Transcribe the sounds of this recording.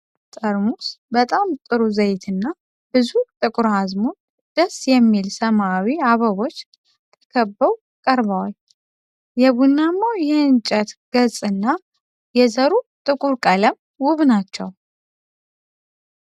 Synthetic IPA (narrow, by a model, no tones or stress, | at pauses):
t̪ʼəɾmusbət̪ʼamt̪ʼɨɾuzəjt̪ʰɨnːa | b̥ɨzut̪ʼɨkʼʊɾhazmo | d̪̥əsjɛmːilsəmawiaβəβo̞t͡ʃː | t̪ʰə̥kʰəbːəw | kʼəɾβawal | jɛβunːamːojɛɨnt͡ʃʼət̪ɡ̥əzʼɨnːa | jɛzəɾut̪ʼɨkʼuɾkʼələm | wʊβnat͡ʃːɛ̰w